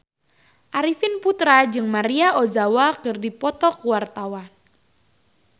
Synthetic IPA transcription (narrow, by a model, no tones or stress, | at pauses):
ʔaɾifɪnput̪ɾad͡ʒɨŋmaɾiaʔozawakɨrdipɔt̪ɔkuwart̪awan